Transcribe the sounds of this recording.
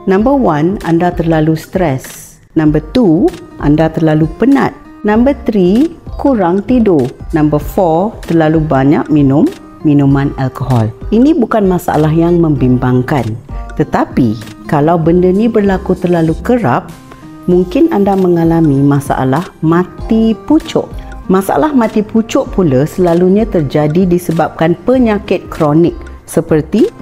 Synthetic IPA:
nãmbəwana̰ndat̪ərlalust̪ɾɛs | nãmbət̪uʔa̰ndat̪ərlalupəna̰t̪̚ | nãmbət̪ɾikuɾaŋt̪idonambəfɔt̪ərlalubaɲak̚minʊmː | inumanalkoɦɔ̰lʔinibukanmasa̰ʔa̰laɦjaŋməmbimbaŋkant̪ət̪apikalawbəndənibərlakut̪ərlalukəɾa̰p̚ | muŋkɪnandaməŋalamimasa̰ʔa̰lahmãt̪iput͡ʃʊ̰ʔmasaa̰lahmãt̪iput͡ʃʊʔpulasəlaluɲãt̪ərd͡ʒadidisəbap̚kanpəɲakɪt̪̚kɾonɪk̚ | səpərt̪i

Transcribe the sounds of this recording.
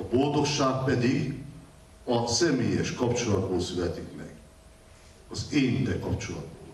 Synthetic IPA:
ɒbo̞ld̪o̞kʃaːk̚pɛd̪iɡ | ɒsɛmeːjɛʃkɒpt͡ʃolɒd̪̚boːlsylɛt̪ikmɛ̰ɡ | ɒzeːnit̪ɛkɒpt͡ʃolɒd̪̚boːl

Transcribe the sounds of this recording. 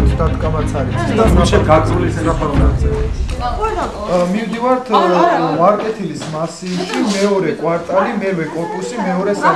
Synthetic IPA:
sd̪at̪ʰkʼabat̪sʰaɾiisd̪asaʃɛɡazʼulisɛɾapaɾazɛ | mimd̪ivaɾt̪ʰvaɾkʼɛt̪ʰilismasiːʃimɛɔɾɛkʼwaɾt̪ʼalimɛɾvɛkʼɔɾpʼusimɛɔɾɛsa

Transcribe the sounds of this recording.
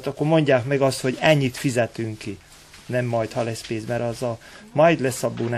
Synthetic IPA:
t̪ɒkːormo̞ɲɟaːkmɛɡɒst̪ho̞ɟɛɲːit̪fizɛt̪yŋki | nɛmːɒjt̪hɒlɛspeːzmɛɾɒzɒmɒjd̪lɛsːɒbːuːn

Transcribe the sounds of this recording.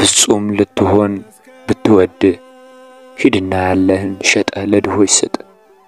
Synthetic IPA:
b̥ɨsʼumlɨt̪ʰːɨho̞n | bɨt̪ːɨwɔd̪ːɨ | hid̪ɨnːajalːəhɨnʃɛt̪ʼələd̪ɨho̞jɪsət̪ʼə

